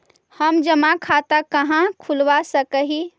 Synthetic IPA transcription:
həmd͡ʒəmakʰat̪akəɦãkʰulʋasəkəɦi

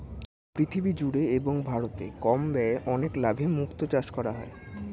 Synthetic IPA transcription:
pɾit̪ʰibid͡ʑuɽeeboŋbʱaɾot̪ekɔmbɛeʔɔneklabʱemukt̪ot͡ɕaʃkɔɾaɦɔ̰e

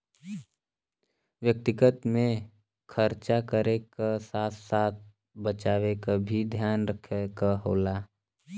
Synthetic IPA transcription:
wjək̚t̪ɪɡət̪mẽ | kʰəɾt͡ʃakəɾekasaːt̪saːt̪̚ʰ | bət͡ʃaːʋekabʱid̪ʱjaːnɾəkʰekaɦoːlaː

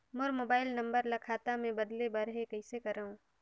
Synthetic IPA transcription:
moɾmoːbaːɪlnɐ̃mbəɾlɐkʰaːt̪amẽbɐd̪lebɐɾɦekɐɪsekɐɾaɦũː

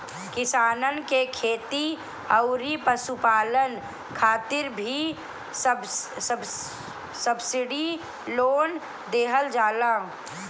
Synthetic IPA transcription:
kɪsaːnənkekʰeːt̪i | əʊɾipəsupaːlən | kʰaːt̪ɪɾbʱi | səbsə | səbsɪɽi | loːn | d̪eːɦəld͡ʒaːlaː

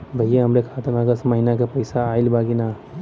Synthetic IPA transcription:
bʱəjeɦɐmɾekʰaːt̪ɐnɐɡəsməɦɪnakepɐjsaːɪlbaːɡina

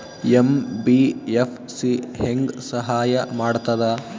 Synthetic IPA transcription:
embiepʰ | siheŋɡsɐɦaːjɐmaːɽt̪ɐd̪ɐ

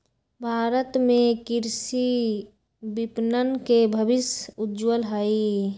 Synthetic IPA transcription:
bʱaːɾət̪mẽkɪɾsi | bɪpnənkebʱəbɪsʊd͡ʒwəlɦəi

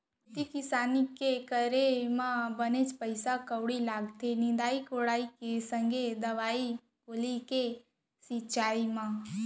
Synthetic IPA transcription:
t̪ikɪsanikekəɾemãbənet͡ʃpəjsakəwɽilaɡt̪ʰenĩnd̪aikoɽaikesə̃ŋɡʱed̪əʋai | kolike | sit͡ʃaimã

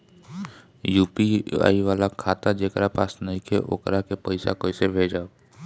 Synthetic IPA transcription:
juːpia̰ːiʋaːlakʰaːt̪ad͡ʒeːkɾapa̰ːsnəɦĩkʰeʔo̰ːkɾakepəɪsa̰koːisebʱeːd͡ʒaːo

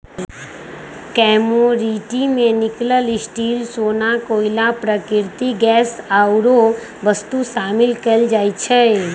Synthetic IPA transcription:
kɛːmoɾiːʈimẽnɪkləlɪsʈiːlsoːnakoːilapɾəkɪɾt̪iɡɛːsaːʊɾo | ʋəst̪usaːmɪlkəld͡ʒaːit͡ʃʰɛ

